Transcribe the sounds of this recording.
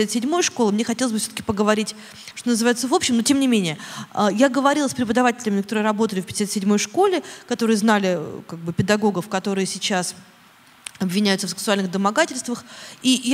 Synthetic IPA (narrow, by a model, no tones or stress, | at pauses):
sʲat̪sʲɪdʲmo̞jəʂkolˠəmnʲexɐtʲelˠəzʲbɨfsʲot̪ə̥kʲɪpəɡəvɐɾʲitʲ | ʂt̪onəzɨvajɪt̪səvo̞pɕːɪmnotʲe̞mnʲɪmʲenʲɪjəəjaɡəvɐɾʲilˠəsʲpɾʲɪpəd̪ɐvatʲɪlʲɪmʲɪnkɐt̪oɾɨjəɾɐbo̞t̪əlʲɪfʲpʲɪdʲɪsʲat̪sʲɪdʲmo̞jʂko̞lʲɪkɐt̪o̞ɾɨjəznalʲɪkaɡ̚bɨpʲɪd̪ɐɡo̞ɡəfkɐt̪o̞ɾɨjəsʲɪt͡ɕas | ɐbvʲɪnʲæjʊt̪səfsʲɪ̥ɨksʊalʲnɨɣd̪əmɐɡatʲɪlʲst̪vəxij